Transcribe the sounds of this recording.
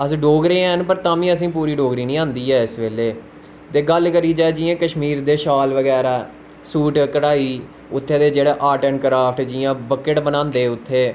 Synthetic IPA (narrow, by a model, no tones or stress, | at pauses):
əsɖoːɡɾeːɛ̃ːnpəɾt̪ãːʋĩːəsĩːpuːɾiːɖoːɡɾiːnĩːãːnd̪iːɦɛːɪsʋeːleː | t̪eːɡəlkəɾiːd͡ʒaːed͡ʒiːãːkəʃmiːɾd̪eːʃaːlʋəɡɛːɾaː | suːʈkəɽaːiː | ʊt̪ʰːeːd̪eːd͡ʒeːɽeːʔaːʈənkəɾaːpʰʈd͡ʒɪjãːbəkəʈbənãːnd̪eːʊt̪ʰːeː